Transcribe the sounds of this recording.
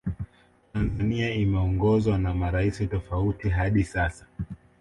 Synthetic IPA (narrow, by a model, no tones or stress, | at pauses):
tanzaniaimɛɔŋɡɔzwanamaɾaisitɔfautiɦaɗisasḁ